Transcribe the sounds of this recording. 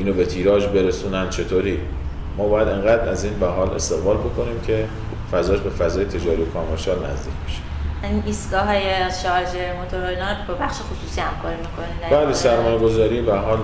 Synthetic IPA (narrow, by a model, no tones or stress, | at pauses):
ʔiːnobe̞t̪ʰiːɾɒːd͡ʒbe̞ɾesuːnænd̪̥t͡ʃʰe̞t̪ʰoːɾiː | mɒːbɒːjæd̪e̞ŋɢæːd̪ɾæziːnvæɦɒːle̞̰st̪eɣvɒːlbo̞kʰo̞niːmcʰe̞ | fæzɒːʃbe̞fæzɒːje̞t̪ʰe̞d͡ʒɒːɾijokʰɒːmeɾʃɒːlnæ̰zd̪ḭːcʰbe̞ʃe̥ | iniːst̪ɡɒːɦɒːjeʃɒd͡ʒeɾmot̪ʰoɾojnɒbebæχʃexosuːsiːhæmkʰɒːɾimikʰonid̪æbæːlesæɾmɒːjeɡo̞zɒːɾiːbeæɾɦɒːl